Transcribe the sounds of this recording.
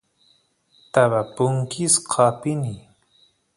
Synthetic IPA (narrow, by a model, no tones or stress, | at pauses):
t̪aβapʊŋkɪsqʰɑpɪni